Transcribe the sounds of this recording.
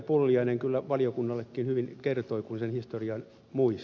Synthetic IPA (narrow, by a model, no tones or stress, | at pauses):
pulːiɑineŋkylːæʋɑliokunːɑlːekːinhyʋinkert̪oikunsenhist̪oriɑn | muis